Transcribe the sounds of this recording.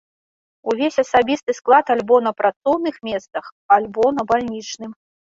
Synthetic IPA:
uvʲesʲɐsabʲist̪ɨsklˠat̪alʲbɔnɐpɾat̪sɔwnɨxmʲɛst̪sɐx | alʲbɔnɐbalʲnʲit͡ʂnɨm

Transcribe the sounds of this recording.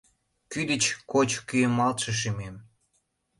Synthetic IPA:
kyd̪ət͡ɕkot͡ɕkyəmːɑlt̪ʃə̆ʃ̬imem

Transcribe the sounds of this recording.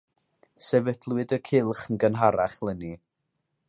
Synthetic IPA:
sɛvədlˠwɨdəkʰɪlˠχn̩ɡənɦaɾaχlˠəni

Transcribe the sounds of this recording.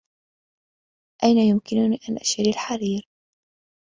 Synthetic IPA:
ʔajnajʊmkɪnʊniːʔanʔaʃaɾilħaɾiːɾ

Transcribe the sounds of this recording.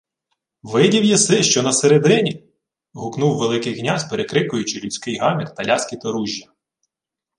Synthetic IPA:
ʋɪdʲiwjisɪʃt͡ʃɔnɐseɾed̪ɪnʲi | ɦʊknuwːelˠɪkɪjɦnʲazpeɾekɾɪkʊjʊt͡ʃɪlʲʊt͡sʲkɪjɦɑmʲikt̪ɐlʲɑsʲkʲit̪ɐɾuʒʲːɐ

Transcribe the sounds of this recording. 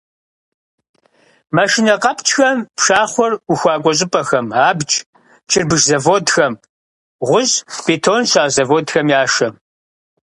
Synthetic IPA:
mɐʃinɐqɐpt͡ʃʰʼxɐmpʂaːχʷɔruxʷaːɡʷʼɔɕʼɪpʼɐxɐmaːbd͡ʒʼ | t͡ʃʰɪrbɨʒzɐvoːdxɐm | ʁʷʊʑb̥eːtʰonɕaːzɐvoːdxɐmjaːʃɐ

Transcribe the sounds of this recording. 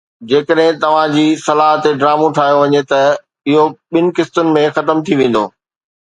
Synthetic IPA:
d͡ʑeːkəɗɦɪ̃t̪ɐʋ̤ãd͡ʑiːsɐlaːɦət̪eɖɾaːmũʈʰaːɦijoʋɐɲet̪ɐ | ɪɦoɓɪnɪ̆kɪst̪ʊnɪ̆mẽxɐt̪əmt̪ʰiʋẽːn̆d̪o̰ː

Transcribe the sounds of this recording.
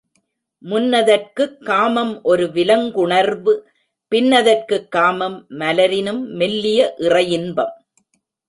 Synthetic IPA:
mʊnːɐðɐrkɯkːaːmɐmʔɔɾɯʋɪlɐŋɡʊɳɐɾʋɯ | pɪnːɐðɐrkɯkːaːmɐmːɐlɐɾɪnɯmːɛlːɪjɐʔɪrɐjɪnbɐm

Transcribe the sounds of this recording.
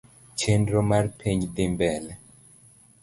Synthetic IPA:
t͡ʃendɾɔmaɾpʰeɲd̪embɛl

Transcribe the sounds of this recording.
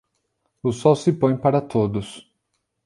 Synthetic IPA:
ʊsɔwsɪpõj̃paɾɐt̪od̪ʊs

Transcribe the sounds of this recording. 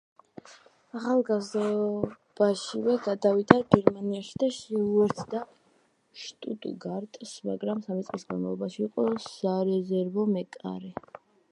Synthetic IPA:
aχalˠɡazd̪a | b̥aʃivɛɡad̪avid̪aɡɛɾmaniaʃi̥d̪aʃiuɛɾt̪ʰd̪a | ʃt̪ʼut̪ʼɡaɾt̪ʼsma̰ɡɾamsamit̪sʼqʼisɡa̰nmalˠɔbaʃiːqʼɔsaɾɛzɛɾvɔmɛkʼa̰ɾɛ

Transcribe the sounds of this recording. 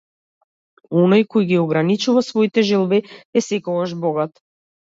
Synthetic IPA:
ɔnojkɔjɡiɔɡɾanit͡ʃuvasvɔit̪ɛʒɛlˠbiɛsɛkɔɡaʒbɔɡat̪

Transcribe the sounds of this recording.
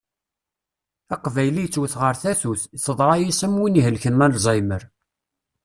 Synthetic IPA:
æqvæjlijt͡sːwəθʁəɾθæθuθθəðˤɾˤɑjisəmwiniɦəlçənmænlzˤɑjməɾ

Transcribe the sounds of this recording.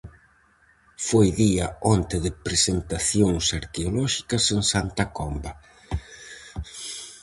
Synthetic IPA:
fojðiɐɔnt̪ɪðɪpɾesent̪aθjoŋsaɾkeolɔʃi̥kɐseŋsant̪ɐkɔmbɐ

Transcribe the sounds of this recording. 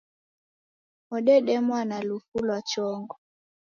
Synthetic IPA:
ɔɗɛɗɛmwanalufulwat͡ʃɔŋɡɔ

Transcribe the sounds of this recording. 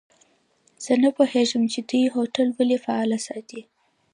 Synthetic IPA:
z̥ənapoheʒəmt͡ʃed̪ujɦoʈalwəlefaɑlasɑt̪i

